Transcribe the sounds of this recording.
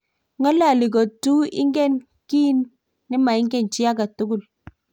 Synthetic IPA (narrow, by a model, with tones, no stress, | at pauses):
ŋɔ˦la˦˨lɪ˨kɔ˨tu˦ɪ̰˦ŋɡɛ˦˨n | ki˦nː | ɪ˦ma˨ɪ˦ŋɡɛ˦˨nt͡ʃi˦a˦ka˨tu˦ɡʊ˦l